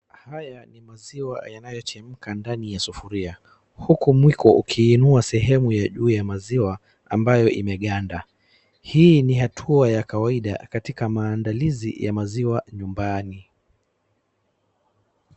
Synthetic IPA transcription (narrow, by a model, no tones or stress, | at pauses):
hajanimaziwa̰janajɔt͡ʃɛm̩kandanijasufuɾia | hukumwikɔʔukʰiːnuasɛɦɛmujaʄuːjamaziwa | ambajɔʔḭmɛɠanda | hiːniɦatʰuajakawaiɗa̰katikamaːndalizḭjamaziwaɲumbani